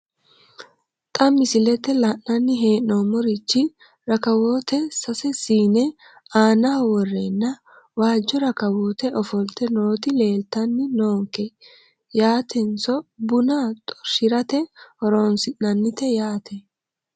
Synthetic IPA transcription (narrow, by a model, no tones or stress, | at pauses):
t̪ʼɐmːɪsɪlɛt̪ːɛlɐnɐnːɪɦe̞ːnːoːmɔɾɪt͡ʃːɪ | ɾɐkɐwoːt̪ɛsɐsɛsiːnɛ | aːnaːwɔrːenːɐ | waːd͡ʒːɔɾɐkɐwoːt̪ɛʔɔfɔlt̪ɛno̞ːt̪ɪle̞ːlt̪ɐnːɪnoːŋkːɛ | jaːt̪ʰɛnt͡sɔbʊnat̪ʼɔ̥ʃɪɾɐt̪ɛhɔɾoːnsɪnːɐnːɪt̪ɛjaːt̪ɛ